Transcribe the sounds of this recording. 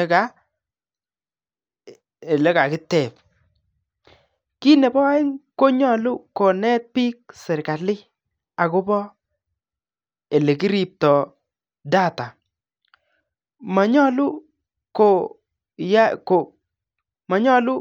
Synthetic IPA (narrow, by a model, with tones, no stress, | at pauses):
ka˨˦ | e˨lɛ˦ka˨kɪ˦tɛ˨p | ki˦nɛ˨bɔ˦a˦ɪ˦ŋko˦ɲɔ˦˨lʊ˦ko˨nɛ˦t̚pi˦k̚sɪ˨ɾka˨lɪ˦ | a˨kʊ˦bɔ˦ | e˨le˨ki˦ɾi˨p̚tɔ˨ | da˦ta˨ | ma˨ɲɔ˦lʊ˦ | ko˨ | ja˦ko˨ | ma˨ɲɔ˦lʊ˦